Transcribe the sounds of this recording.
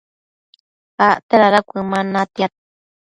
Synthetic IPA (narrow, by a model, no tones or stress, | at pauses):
aʔt̪eɾaɾakʷɨmãnat̪iat̪̚